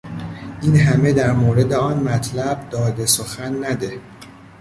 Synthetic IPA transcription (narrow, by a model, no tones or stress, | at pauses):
ʔinɦæme̞d̪æɾmoːɾe̞d̪e̞ɒːnmæt̪ʰlæb̚d̪ɒːd̪e̞soxænːæd̪e̞